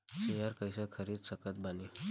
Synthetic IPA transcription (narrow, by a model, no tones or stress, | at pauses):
sejəɾkəjsəkʰəɾiːd̪səkət̪̚bani